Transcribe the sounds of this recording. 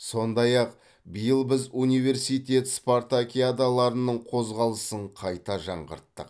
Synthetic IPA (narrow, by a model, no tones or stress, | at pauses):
so̞nd̪ɑjɑq̚ | bijəlˠbɪzunijve̞ɾsijt̪ʲe̞t̪spoɾt̪akʲiad̪alˠɑɾənəɴqʰo̞zʁɑlˠəsəɴqʰɑjt̪ɑʒɑɴʁə̰ɾt̪ːəq